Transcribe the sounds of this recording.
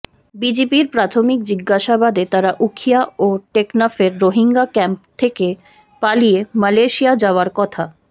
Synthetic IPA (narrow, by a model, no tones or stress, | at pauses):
bid͡ʑepiɾpɾat̪ʰomik̚d͡ʑiɡːaʃabad̪et̪aɾaʔukʰijaoʈeknafeɾːoɦiŋɡakɛmpt̪ʰeke | palijemaleʃiad͡ʑaoaɾkɔt̪ʰa